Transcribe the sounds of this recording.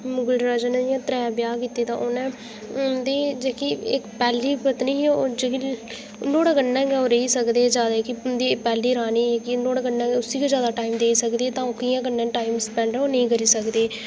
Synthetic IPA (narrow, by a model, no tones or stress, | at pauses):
mʊɡəlɖɾad͡ʒənãjãːt̪ɾɛːbjaːkiːt̪eːt̪ã̰ːʔʊnãː | d̪eːd͡ʒeːkiɪkpɛːliːpət̪nĩːd͡ʒeki | noːɽɡənːɛ̃ːɡɛoːɾəiːsəkd̪eːd͡ʒjaːd̪aːkɪʊnd̪iːpɛːliːɾaːniːɛkɪnoːɽɡənːãːʊsiːkad͡ʒjaːd̪aːʈaːimd̪eːisəkd̪eːt̪ãːoːkɪjãːɡənːẽːʈaːimspɛ̃ːɳɖɾoːnəĩːkəɾiːsəkd̪eː